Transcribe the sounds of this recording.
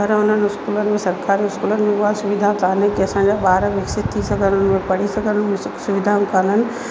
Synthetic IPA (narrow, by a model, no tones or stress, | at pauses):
ɐɾʊn̤ənʊskuːlənɪ̆mẽsɐɾkaːɾiʊskuːlənɪ̆mẽʊasʊʋɪd̪ʱãkaːnekiɐsãːɲd͡ʑabaːɾaʋɪksɪt̪t̪ʰːisaɡʱəɾəʊnmẽpɐɽ̤isɐɡʱəɾənmsʊʋɪd̪ʱaũkaːnənɪ̆